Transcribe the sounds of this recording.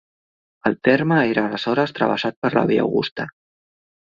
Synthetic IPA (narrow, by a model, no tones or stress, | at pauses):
əlˠt̪eɾməeɾaːləzɔɾəst̪ɾə̰βə̰sat̪̚pəɾla̰βia̰wɣṵst̪a